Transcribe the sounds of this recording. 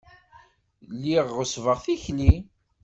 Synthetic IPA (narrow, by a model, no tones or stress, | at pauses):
lːiʁːəsvəʁθiçli